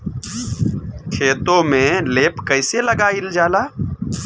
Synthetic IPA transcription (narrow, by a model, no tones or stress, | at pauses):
kʰeːt̪õːmẽːleːpkəɪseləɡaːɪld͡ʒaːlaː